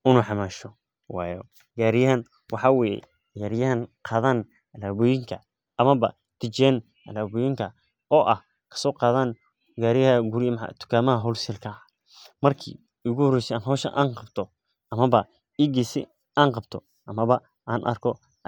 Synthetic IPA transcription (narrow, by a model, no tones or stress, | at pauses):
ɪnuħɑmaːʃɔ | wɑːjɔ | ɡaːɾɪjɐɦɐn | wɑħɑːwɛːjɛ̰ | jaːɾɪjɐɦɐnqʰɑːðaːn | ɐlaːβʊjɪŋkʰɐ | ɐmɐβɐ | t̪ʰɪt͡ʃɛːn | ɐlaːβɔjɪŋkʰɐ | ʔɔːʔɐh | kʰɐ̥sɔːqɑːðaːn | ɡaːɾɪjɐhɐɡuɾɪm̰t̪ʰʊ̥kʰaːmɐɦɐɦɔlsɛlkʰɐ | mɐrkʰḭː | ʊɣʊhɔɾɛjsɛːnɦɔːʃɐ̰ʔa̰ːŋqɑbt̪ʰɔ | ʔɐmɐβɐ | iɡisɪ̰ | aːnqɑbt̪ʰɔ | ʔɐmɐβɐ | ʔaːnʔɐ̰rkʰɔ